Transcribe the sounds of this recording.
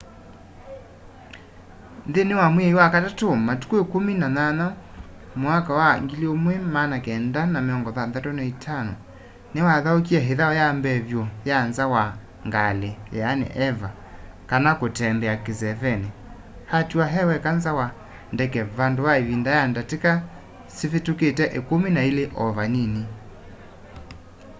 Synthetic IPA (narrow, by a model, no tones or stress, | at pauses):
nðenewamwɛiwakatatomatu̥kwekominanana | mwakawaŋɡiliomwɛmanakɛndanameɔŋɡɔðaðatonaitʰanɔ̰ | newaðaok̬iɛɦeðaɔjambɛβjɔjanzawa | ŋɡalejɛanḛʔɛva | kanakotɛmbɛakezɛvɛne | hatuaɦɛwɛkanzawa | ndɛkɛβandoβaeβindajandateka | sefetuketɛʔekomenaeleʔɔvanine